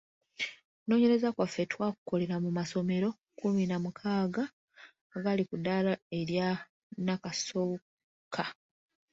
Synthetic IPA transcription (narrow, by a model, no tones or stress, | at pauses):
no̞ːɲe̞ɾezakwafːe̞twaːku̥ko̞le̞ɾamumaso̞me̞ɾo̞ | kuminamukʰaːɡa | ɡalikudalae̞ɾja | nakaso̞ | kʰa